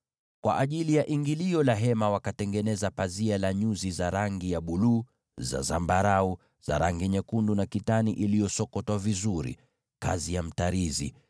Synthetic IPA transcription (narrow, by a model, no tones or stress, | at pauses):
kwa̰ʔaʄilijaʔiŋɡiliɔlaɦɛmawakatɛŋɡɛnɛzapazialaɲuzizaɾaŋɡijaɓuluː | za̰zambaɾau | z̥a̰ɾaŋɡiɲɛkundunakitaniʔilijɔsɔkɔtwavizuɾḭ | kazijam̩taɾizḭ